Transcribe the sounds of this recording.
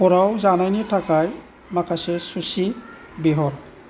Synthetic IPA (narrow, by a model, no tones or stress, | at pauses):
pɔɾawzanajnitʰakaj | makʰasɛsusi | biɦɔɹ